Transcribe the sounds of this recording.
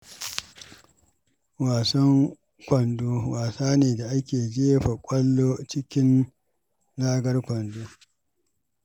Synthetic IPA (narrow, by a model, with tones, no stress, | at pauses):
waː˨sɐ˦ŋ | kʷɐ˨ndoː˦waː˨saː˦neː˨da˨ʔa˦kʲeː˨d͡ʒeː˦ɸa˨kʷʼɐ˦lːoː˦t͡ʃɪ˦kʲɪ˦n | laː˦ɡɐ˦rkʷɐ˨ndoː˦